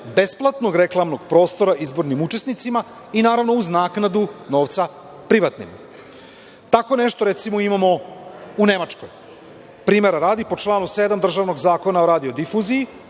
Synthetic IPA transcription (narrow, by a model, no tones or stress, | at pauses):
be̞splˠat̪no̞ɡɾe̞klˠamno̞ɡpɾo̞ːst̪o̞ɾaʔizbo̞ɾnimut͡ʃe̞snit̪sima | inaːɾavnouznaːknad̪uno̞ːʋt̪sa | pɾiʋat̪nḭm | t̪ako̞ne̞ʃt̪o̞ɾe̞t̪simoimamo̞une̞mat͡ʃko̰j | pɾiːme̞ɾaɾaːd̪ipo̞t͡ʃlˠaːnused̪amd̪r̩ʒaʋno̞ɡzaːko̞naoɾaːd̪io̞d̪ifuziji